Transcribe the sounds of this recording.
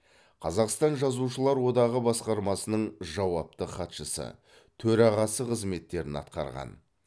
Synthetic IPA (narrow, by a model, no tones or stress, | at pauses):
qʰɑzɑqst̪ɑnʒɑzuʃəlˠɑɾwo̞d̪ɑʁəbɑsqɑɾmɑsənəɴʒɑwɑp̚t̪əχɑt̪ʃəsə̰ | t̪ʰɵɾɑʁɑsəqʰəzme̞t̪ːe̞ɾɪnɑ̰t̪qɑ̰ɾʁɑ̰n